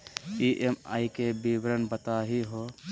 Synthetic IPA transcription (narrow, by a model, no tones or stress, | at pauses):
iʔema̰ːikebibɾənbət̪aɦiɦo